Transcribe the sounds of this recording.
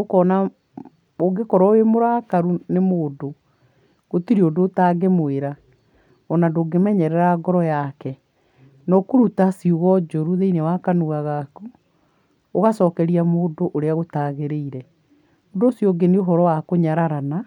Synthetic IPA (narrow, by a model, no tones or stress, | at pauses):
okɔna | oɡekɔɾɔwemoɾakaɾunemoːdo | ɣotiɾeodoːtaɡemoeɾa | ɔnandoːɡemɛɲɛɾɛɾaɡɔɾɔjakɛ | nɔkoɾutasiuɣɔd͡ʑoɾuðeinewakanuɣaɣaku | oɣasɔːkɛɾiamoːdoʔoɾeaɣotaɣeɾeiɾɛ | ondoːsjɔɡenioɦɔɾɔwakoɲaɾaɾana